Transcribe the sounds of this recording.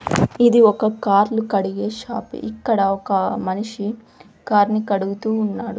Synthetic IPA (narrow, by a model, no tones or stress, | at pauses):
id̪iɔkɐkaːɾlukɐɽiɡe̞ːʃaːpḭʔikːɐɽɐɔkɐmɐniʂi | kaːɾnikɐɽuɡut̪uːnːaːɽu